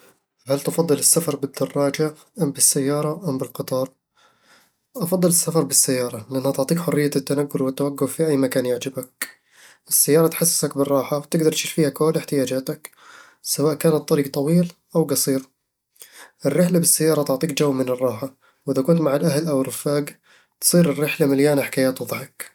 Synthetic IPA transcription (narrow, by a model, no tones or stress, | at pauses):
halt̪ɪfɑd̪ˤːɨlɪsːafɑɾˤbɪd̪ːɑrˤːɑːd͡ʒa | ʔambɪsːajːɑːɾˤɑʔambɪlqɨt̪ˤɑːɾˤ | ʔɑfɑd̪ˤːɨlɪsːafɑɾˤbɪsːajːɑːɾˤɑlɪʔanːhat̪ɪʕt̪ˤiːkħʊrːɪjːat̪ːanaɡːʊlwɪt̪ːawaɡːʊffiʔajːmakaːnjɪʕd͡ʒɪbak̚ | ʔɪsːajːɑːɾˤɑt̪ħasːɪ̥sakbɪrˤːɑːħawt̪ɪɡd̪ɑɾˤt̪ʃiːɾfiːhakoːlɪħt̪ɪjaːd͡ʒaːt̪ak | sawaːʔkaːnat̪ˤːɑɾiːɡ̚t̪ˤɑwiːlʔawɡɑsˤiːɾ | ʔɪrːɪħlabɪsːajːɑːɾˤɑt̪ʊʕt̪ˤiːkd͡ʒawːmɪnɨrˤːɑːħa | wʔɪðakʊnt̪maʕalʔaɦlʔawɪrːɪfaːɡ | t̪sˤiːɾɪrːɪħlamaljaːnaħɪ̥kaːjaːt̪wɑðˤħak